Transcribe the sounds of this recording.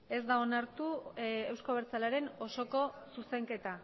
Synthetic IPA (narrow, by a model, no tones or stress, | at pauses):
e̞zd̪ao̞naɾt̪ue̞wsko̞βeɾt͡salaɾe̞no̞so̞ko̞suse̞ŋke̞t̪a